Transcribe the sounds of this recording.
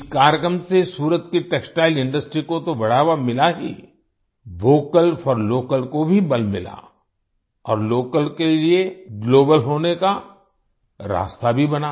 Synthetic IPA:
ɪskaːɾjəkɾəmsesuːɾət̪kiʈeːksʈaːɪlɪ̃ɳɖəsʈɾikot̪oʋɐɽ̤aːʋamɪlaɦḭ | ʋoːkəlfɔɾloːkəlkobʱibɐlmɪ̰la̰ | ɔːɾloːkəlkelieɡloːbəlɦoːneka | ɾa̰ːst̪abʱibɐnaː

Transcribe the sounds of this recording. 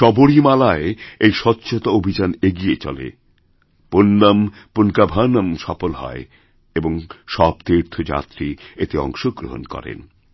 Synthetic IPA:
ʃɔboɽimalaeejʃɔtːɕʰot̪aobʱid͡ʑaneɡiet͡ɕɔ̰lḛ | ponːam | ponkabʱanamʃɔfolɦɔ̰e | eboŋʃɔb̚t̪iɾt̪ʰod͡ʑa̰t̪ɾiet̪eɔ̰ŋʃoɡɾoɦo̰nkɔ̰ɾḛn

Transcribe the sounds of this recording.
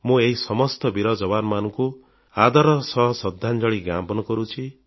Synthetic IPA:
mũeɦisɔmɔst̪ɔbiɾɔd͡ʒɔβanmanɔ̃ŋku | ad̪aɾɔsɔɦɔsɔd̪ʱːand͡ʒɔɭiɡambɔnɔkɔɾut͡ʃʰi

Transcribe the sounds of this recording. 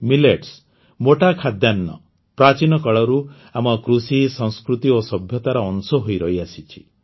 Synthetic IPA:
mileʈs | moʈakʰad̪janːɔ̰ | pɾat͡ʃinɔkɔɭɔɾu | amɔkɾusisɔŋskɾut̪iosɔbʱjɔt̪aɾɔːnsɔɦojɾɔɦiasit͡ʃʰi̥

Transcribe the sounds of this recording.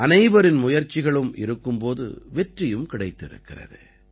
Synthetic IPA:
ʔɐnɐɪʋɐɾɪnmʊjɐɾt͡ʃːɪɣɐɭɯmʔɪ̰ɾɯkːɯmpoːðɯ̰ʋɛʈrɪjɯmkɪɽɐɪt̪ːɪɾɯ̰kːɪrɐ̰ðɯ̰

